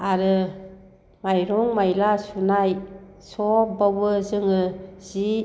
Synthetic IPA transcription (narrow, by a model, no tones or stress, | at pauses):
aɾɯ | majɾuŋmajlasunaj | sɔbabɯzɯŋɯz̥i